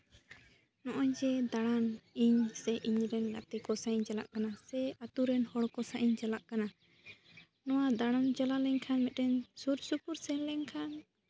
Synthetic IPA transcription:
nɔʔɔɲd͡ʒɛd̪aɽ̃aniɲsɛʔiɲɾɛnɡa̰t̪ikɔsaiɲd͡ʒala̰ʔkanasɛat̪uɾɛnhɔɽkɔsaʔiɲd͡ʒalaʔkana | nɔwad̪aɽ̃ɔmd͡ʒalalɛɲkʰanmɛt̪̚ɾɛnsuɾsupuɾsɛnlɛɲkʰan

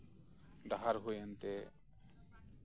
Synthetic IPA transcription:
ɖaɦaɾɦojant̪ɛ

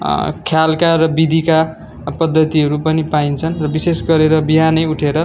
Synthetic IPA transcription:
kʰjalkaɾʌbid̪ʱika | pʌd̪ʱːʌt̪iɦʌɾupʌnipaint͡sʰʌnrʌbisesɡʌɾeɾʌbiɦanʌjuʈʰeɾʌ

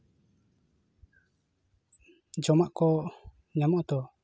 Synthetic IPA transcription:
d͡ʒɔmaʔkɔ | ɲamɔʔd̪ɔ

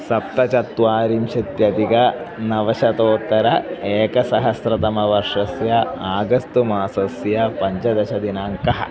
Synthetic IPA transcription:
sɐp̚t̪ɐt͡ʃɐt̪ʋaːɾimʃɐt̪jɐd̪iɡɐ | nɐʋɐʃɐt̪oːt̪ːɐɾɐeːkɐsɐɦɐsɾɐt̪ɐmɐʋɐɾʂɐsjɐaːɡɐst̪umaːsɐsjɐpɐɲd͡ʒɐd̪ɐʃɐd̪inaːŋkɐɦɐ̰̆

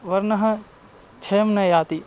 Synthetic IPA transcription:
ʋɐɾnɐɦɐ̃ | t͡ʃʰɐjɐmnɐjaːt̪i

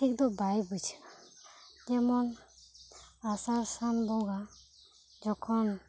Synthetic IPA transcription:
tʰik̚d̪ɔbajbut͡ʃʰ | tɛmɔn | asaɾsanbɔɡa | d͡ʒɔkʰɔn

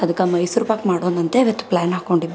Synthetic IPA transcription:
ɐd̪ɐkːɐmɐjsuɾbaːkmaːɽoːd̪ɐnt̪eʋet̪ːplaːnɦaːko̞ɳɖib

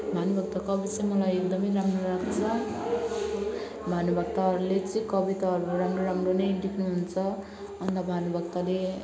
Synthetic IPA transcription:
mʱanubʌɡ̚t̪akʌbit͡sʌjmʌlajekd̪ʌmʌjɾamrorakʰt͡sʰʌ | mʱanubʌɡ̚t̪aɾulet͡sʌj̃kʌbit̪aɾuoɾamroɾamronʌjɖiknuɦunt͡sʰʌ | ʌnt̪ʌbʱanubʱʌɡt̪ale

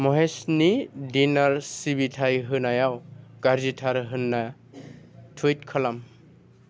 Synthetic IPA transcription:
mɔɦesnidinaɾsibitʰajɦɯnajawɡaɾzitʰaɾɦɯnːa | tʰujt̚kʰalam

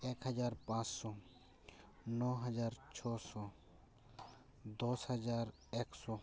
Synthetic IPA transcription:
eːkɦəd͡ʒaːɾpãːt͡ʃsɔː | nɔːɦəd͡ʒaːɾt͡ʃʰɔːsɔː | d̪oːshəd͡ʒaːɾ | eksɔː

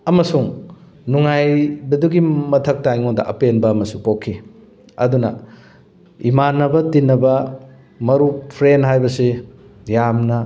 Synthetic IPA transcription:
ɐmɐsuŋ | nuŋajbɐduɡimɐtʰɐk̚tajŋoŋdɐ̰ʔɐpenbɐːmɐsupokʰːi | ɐ̰dunɐ̰ | imanːɐbɐtinːɐbɐ | mɐɾupʰɾenɦajbɐsejamnɐ

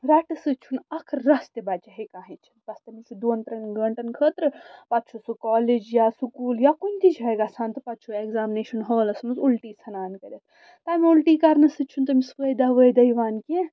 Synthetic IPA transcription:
ɾaʈɐsɨt͡ʃʰunɐkʰɾɐst̪ɐbat͡ʃɐɦekãːɦit͡ʃʰɐnbɐst̪ɐmisɨd̪uːnt̪ɾɐnɡɐɳʈɐnkʰəːt̪ɾɨpɐt͡ʃʰusɨkɔːleːd͡ʒjaːsukuːljakunʲt̪it͡ʃʰɐjɡasãːnt̪ɨpɐt̪ːt͡ʃʰueɡzaːmineːʃɐnɦəːlɐsmuzulʈiːt͡sʰɐnaːnkɐɾʲɐt̪ | t̪aːmiulʈiːkɐɾnɐsɨt͡ʃʰunt̪ɐmisʋəjd̪aʋəjd̪ɐjʋaːnke

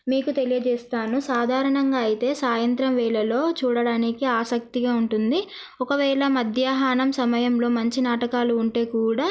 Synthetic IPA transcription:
miːkut̪elijɐd͡ʒɛːst̪aːnusaːd̪ʱaːɾɐɳɐŋɡaːɐjit̪e̞ːsaːjɐnt̪ɾɐmʋɛːɭɐlo̞ːt͡ʃuːɽɐɽaːnikiaːsɐk̚t̪iɡaːuɳʈund̪i | ɔkɐʋɛːɭɐmɐd̪ʱjaːɦaːnɐmsɐmɐjɐmlo̞ːmɐɲt͡ʃinaːʈɐkaːluːɳʈe̞ːkuːɽaː

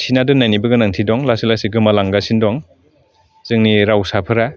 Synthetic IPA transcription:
sʰinadɯnajnibɯɡɯnaŋtʰidɔŋlasilasiɡɯmalaŋɡasindɔŋ | zɯŋniɾawsapʰɯɾa

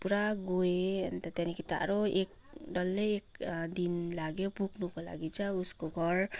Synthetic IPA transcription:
puɾaɡoeʌnt̪ʌt̪janikit̪a̰ɾoek̚ | ɖʌlːeːk̚d̪inlaɡjopuɡnukola̰ɡit͡sʰʌuskoɡʱʌɾ

